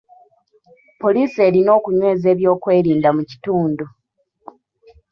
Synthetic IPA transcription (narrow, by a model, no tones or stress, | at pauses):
po̞liːse̞ːɾino̞ːkuɲwe̞ːze̞ːβjo̞ːkwe̞ːɾiːndamuci̥tuːndu